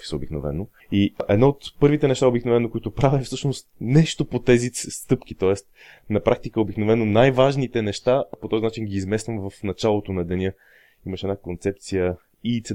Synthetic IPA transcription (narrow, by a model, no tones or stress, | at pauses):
i̥səobiknovɛ̰no | iʔɛd̪nɔot̪pɤɾvit̪ɛnɛʃt̪aobiknovɛnokoit̪opɾavɛfsɤʃnost̪nɛʃt̪opot̪ɛzist̪ɤpk̟it̪ɔɛst̪ | nɐpɾak̚t̪ikəobiknovɛnonajvaʒnit̪ɛnɛʃt̪apot̪ɔzinat͡ʃinɡiːzmɛst̪vəmvəfnɐt͡ʃalˠot̪onɐd̪ɛnʲə | iməʃɛdnakont̪sɛp̚t̪sijə | it̪sɛ